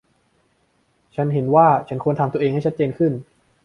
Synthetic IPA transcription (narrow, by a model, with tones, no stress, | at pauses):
t͡ɕʰa˦˥nɦe˩˦nwaː˥˩t͡ɕʰa˦˥nkʰu˧ənt̪ʰa˧t̪u˧ʔeː˧ŋha˥˩t͡ɕʰt̪̚t͡ɕeː˧nkʰɯ˥˩n